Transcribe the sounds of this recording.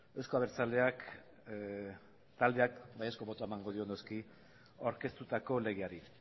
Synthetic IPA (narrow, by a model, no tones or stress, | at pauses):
e̞wsko̞aβeɾt͡sale̞ak | t̪ald̪e̞ak̚bajesko̞βo̞t̪oaemaŋɡo̞ðio̞noski | a̰wɾke̞st̪ut̪ako̞le̞ɣeaɾi